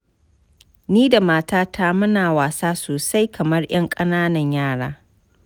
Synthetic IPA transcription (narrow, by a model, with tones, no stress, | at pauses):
niː˦da˨maː˦taː˦tʰa˦mʊ˦naː˨waː˨saː˦soː˨sa˦jkʰɐ˨mɐ˦rj̰ɐ˦ŋkʼɐ˦naː˦nɐ˨ɲjaː˦˨ɽaː˦